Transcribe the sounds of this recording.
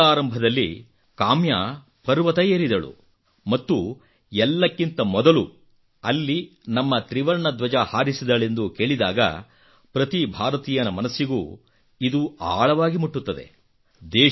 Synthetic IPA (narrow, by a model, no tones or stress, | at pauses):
aːɾɐmbʱɐd̪ɐlːi | kaːmjaː | pɐɾʋɐt̪ɐjeːɾid̪ɐɭṵ | mɐt̪ːu | ɛlːɐkːint̪ɐmɔd̪ɐlu | ɐlːinɐmːɐt̪ɾiʋɐɾɳɐd̪ʋɐd͡ʒɐhaːɾisid̪ɐɭe̞nd̪uke̞ːɭid̪aːɡɐ̰ | pɾɐt̪ibʱaːɾɐt̪iːjɐnɐmɐnɐsːiɡuː | id̪uaːɭɐʋaːɡimuʈːut̪ːɐd̪e̞̰ | d̪ɛː